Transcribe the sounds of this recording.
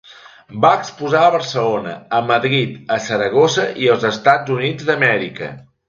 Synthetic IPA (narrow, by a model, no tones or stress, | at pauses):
baəkspuzaəβərsəlonə̰əməðɾit̪əsəɾəɣ̞osəʔiəlˠzəst̪ad͡zunid͡zd̪əmɛɾikə̰